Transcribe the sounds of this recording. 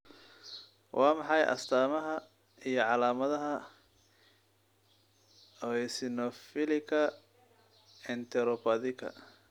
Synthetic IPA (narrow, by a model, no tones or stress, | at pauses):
wʔɑːmɑħɑjʔɐ̰st̪ʰaːmɐɦɐ | ijɞʕɑlaːmɐðɐɦɐ | ɔɛsɪnɔfɪlɪkʰɐ | ɛnt̪ʰɛɾɔpɐðɪkʰɐ̰